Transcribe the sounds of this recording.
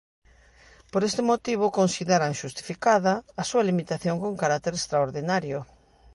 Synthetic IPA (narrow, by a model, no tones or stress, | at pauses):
poɾest̪ɪmot̪iβ̞ʊkonsiðeɾaŋʃust̪i̥fikaðɐːsuɐlimit̪aθjoŋkoŋkaɾak̚t̪eɾest̪ɾaoɾðinaɾjʊ